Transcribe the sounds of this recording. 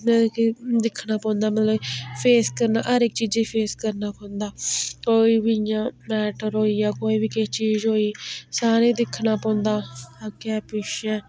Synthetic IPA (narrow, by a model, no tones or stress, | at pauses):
mɛ̃ːkːd̪ɪkʰnaːpɔ̃ːʊnd̪aːmət̪ləbpʰeːskəɾnaːʔəɾɪkt͡ʃiːd͡ʒiːpʰeːskəɾnaːpɔ̃ːʊ̃nd̪aːkoːiːbijãːmɛːʈəɾɦoːiːjaːkoːiːbiːket͡ʃiːzɦoːiːsaːɾeːd̪ɪkʰːnaːpɔ̃ːnd̪aːkɛːpɪʃɛ̃ː